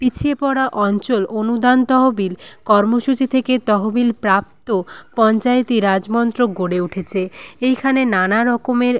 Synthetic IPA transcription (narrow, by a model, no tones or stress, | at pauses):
pit͡ɕʰiepɔɽaʔɔnt͡ɕolonud̪ant̪ɔɦobilkɔɾmoʃut͡ɕit̪ʰeket̪ɔɦobilpɾap̚t̪opɔnt͡ɕaet̪iɾad͡ʑmɔnt̪ɾoɡoɽeuʈʰet͡ɕʰeejkʰanenanaɾɔkomeɾ